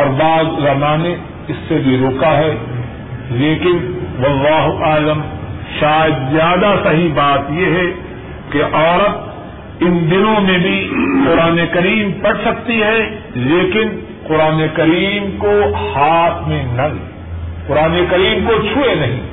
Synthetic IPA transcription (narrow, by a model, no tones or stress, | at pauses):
ɔɾbaːzzɐmaːne | ɪsːebʱiɾoːkaɦɛ | leːkɪnʋɐlːaːɦʊʔaːləmʃaːjəd̪zjaːd̪asɐɦibaːt̪jeɦɛ | keʔɔːɾət̪̚ | ɪnd̪ɪnõmẽbʱiqʊɾaːnekɐɾiːmpɐɽsɐk̚t̪iɦɛ | leːkɪn | qʊɾaːnekɐɾiːmkohaːt̪ʰmẽnɐleː | qʊɾaːnekɐɾiːmkot͡ʃʰʊenɐɦĩ